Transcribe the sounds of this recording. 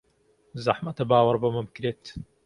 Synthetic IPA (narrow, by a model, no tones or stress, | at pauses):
zɐħmɐt̪ɐbaːwɐɾbɐmɐbɨkɾeːt̪